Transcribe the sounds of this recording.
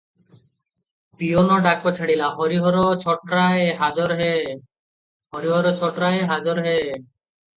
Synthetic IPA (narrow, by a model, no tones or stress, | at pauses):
pionoɖakːot͡ɕʰaɽilaɦɔɾiɦɔɾot͡ɕʰɔʈɾaeɦad͡ʑɔɾɦe | ɦɔɾiɦɔɾot͡ɕʰɔʈɾaeɦad͡ʑɔɾɦe